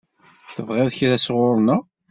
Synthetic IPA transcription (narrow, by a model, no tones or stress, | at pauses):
θəvʁæðçɾæsʁʊɾˤna